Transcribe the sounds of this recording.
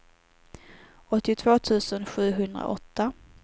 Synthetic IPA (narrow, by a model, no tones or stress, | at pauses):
ɔt̪ːɪt̪ʰv̥oːt̪ʰʉ̟ːsənɧʉ̟ːɦɵnd̪ɾa̰ʔɔt̪ːa